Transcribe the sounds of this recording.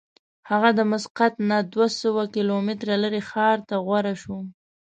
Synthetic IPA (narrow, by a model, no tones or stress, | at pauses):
haɣad̪əmʊsqat̪nad̪wasəwakɪlomɪt̪ɾaləɾexɑɾt̪aɣwaɾaʃu